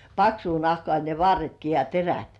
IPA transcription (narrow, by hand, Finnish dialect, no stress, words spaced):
pɑksuː nɑhkŏɑˑ ne ʋɑrːetki jɑ teræt